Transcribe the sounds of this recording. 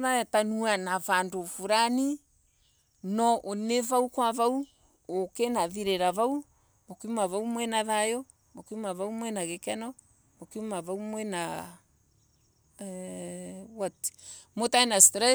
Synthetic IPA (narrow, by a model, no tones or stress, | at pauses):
ðatanuanavandofuɾani | nɔʔonevaukwavau | okenaðiɾeɾavau | mokimaβaumwɛnaðajɔ | mokimavaumwɛnaɣekɛnɔ | mokimaβaumwɛna | watmotainastɾɛ